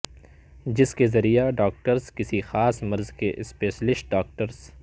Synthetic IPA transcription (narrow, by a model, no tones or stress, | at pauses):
d͡ʒɪskezɐɾijaɖaːk̚ʈəɾzkɪsixaːsmɐɾzkeʔɪspeːʃlɪʃʈ̚ɖaːk̚ʈəɾz